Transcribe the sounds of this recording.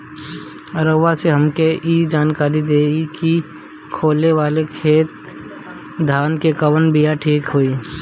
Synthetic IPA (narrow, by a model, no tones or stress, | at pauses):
ɾəʋaseɦəmkeiːd͡ʒaːnkaːɾid̪eːɡiki | kʰoːleʋaːlekʰeːt̪̚ | d̪ʱaːnkekəwənbijaʈʰiːkɦoːiː